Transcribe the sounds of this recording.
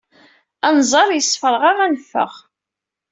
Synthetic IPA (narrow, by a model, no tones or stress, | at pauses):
ænzˤɑɾˤjəsˤfəɾʁaʁænfːə̰ʁ